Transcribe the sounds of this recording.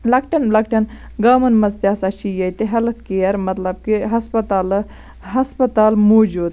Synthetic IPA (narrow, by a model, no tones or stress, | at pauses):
lɐkʈɐnlɐkʈɐn | ɡɐːmɐnmɐzt̪ʲjaːsɐt͡ʃʰijɐjt̪eɦɐlɐt̪ʰkijɐɾmɐt̪lɐb̚kiɦɐspɐt̪aːl | ɦɐspɐt̪aːlmoːd͡ʒuːd̪